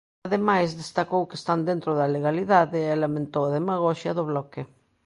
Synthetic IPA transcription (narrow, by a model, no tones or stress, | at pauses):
aðemajzðest̪akowkest̪and̪ẽnt̪ɾoðaleɣaliðaðɪelamẽnt̪owaðemaɣ̞oʃjaðʊβlɔkɪ